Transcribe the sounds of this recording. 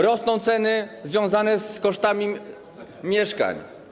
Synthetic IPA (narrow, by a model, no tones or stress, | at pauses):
ɾɔsnɔ̃w̃t̪sɛnɘzvʲjɔ̃w̃zanɛskɔʂt̪amʲi | mʲjɛʂka̰ɲ